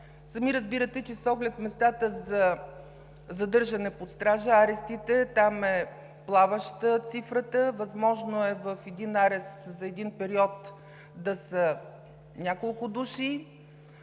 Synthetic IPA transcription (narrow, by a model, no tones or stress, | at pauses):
sɐmiɾəzbiɾət̪ɛt͡ʃɛsɔɡlɛt̪mɛst̪at̪əzɐ | zɐd̪ɤɾʒɐnɛpot̪st̪ɾaʒəaɾɛst̪it̪ɛt̪amɛ | plˠavəʃt̪ət̪sifɾət̪əvɐzmɔʒnoɛvəfɛd̪inaɾɛst̪zɐɛd̪inpɛɾiɔt̪ | d̪ɐsə | nʲakolˠkʊd̪uʃi